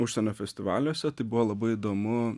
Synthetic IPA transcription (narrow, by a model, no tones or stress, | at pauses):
ʊʃʲsʲɛnʲoːfʲɛsʲt̪ʲɪʋɑ̰ːlʲoːsʲɛt̪ɐɪbʊʋoːlˠɐbɐɪɪd̪oːmʊ